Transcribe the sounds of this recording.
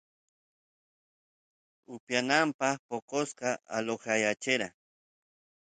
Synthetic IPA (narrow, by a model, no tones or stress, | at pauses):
ʊpjanampaχpoqosqɑa̰loχajat͡ʃɪɾa